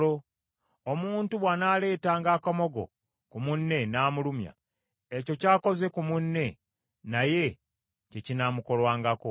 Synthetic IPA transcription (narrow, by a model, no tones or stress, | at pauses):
o | omuːntuβwanaːle̞ːtaːŋɡakomo̞ɡo̞̰ | kumunːe̞naːmulumja̰ | eco̞caːko̞ze̞kumunːe̞ | naje̞ | cecinamuko̞lwaːŋɡako